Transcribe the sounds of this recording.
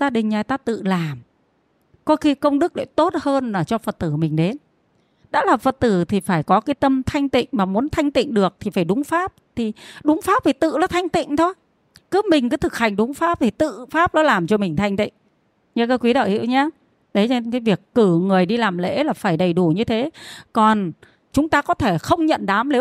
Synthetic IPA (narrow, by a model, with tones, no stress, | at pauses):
zaː˧ɗï˨˩ŋ̟zaː˨˩jt̪aː˧˦t̪ɨ̰˧˨laː˨˩m | kɔ˨˦xi˧˦kə˧wŋ͡mɗɨ˦˥k̚ɗḛ˧˩t̪o˦˥t̚həː˧nlaː˨˩t͡ɕɔ˧fə˨˩t̚t̪ɨ˧˩mï˨˩ŋ̟ɗe˨˦n | ɗa̰ː˧˥laː˨˩fə˨˩t̚t̪ɨ˧˩t̪ʰi˨˩faː˧˩jkɔ˨˦kaː˨˦jt̪ə˧mt̪ʰa˧jŋ̟t̪ḭ˧˨ŋ̟maː˨˩mu˨˦ənt̪ʰa˧jŋ̟t̪ḭ˧˨ŋ̟ɗɨ˨˩ək̚t̪ʰi˨˩faː˧˩jɗʊ˨˦ŋ͡mfaː˦˥p̚t̪ʰi˨˩ɗʊ˨˦ŋ͡mfaː˦˥p̚t̪i˨˩t̪ɨ̰˧˨lɔː˨˦t̪ʰa˧jŋ̟t̪ḭ˧˨ŋ̟t̪ʰo˧j | kɨ˨˦mï˨˩ŋ̟kɨː˨˦t̪ʰɨ˨˩k̚ha˨˩jŋ̟ɗʊ˨˦ŋ͡mfaː˦˥p̚t̪ʰi˨˩t̪ɨ̰˧˨faː˦˥p̚lɔ˨˦laː˨˩mt͡ɕɔ˧mï˨˩ŋ̟t̪ʰa˧jŋ̟t̪ḭ˧˨ŋ̟ | ɲɨ˧kə˧˦kwi˨˦ɗə̰˧˨whḭ˧˨wɲaː˧ | ɗə˨˦jt͡ɕɔ˧kaː˨˦jvi˨˩əkːɨ˧˩ŋɨ˨˩əjɗi˧laː˨˩mlḛ˧˥laː˨˩faː˧˩jɗə˨˩jɗu˧˩ɲɨ˧t̪ʰe˨˦kɔ˨˩n | t͡ɕʊ˨˦ŋ͡mt̪aː˧kɔ˨˦t̪ʰe˧˩xə˧wŋ͡mɲə̰˧˨nɗaː˨˦mle˨˦